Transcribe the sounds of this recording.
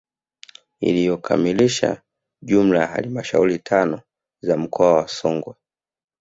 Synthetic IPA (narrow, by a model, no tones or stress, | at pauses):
ḭlijɔkʰa̰miliʃa̰ | ʄum̩lajaha̰limaʃaulitʰanɔ | zam̩kʰɔawasɔŋɡwa